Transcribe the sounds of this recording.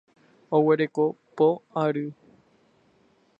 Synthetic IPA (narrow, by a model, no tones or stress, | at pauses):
owe̞ɾekopoaɾɨ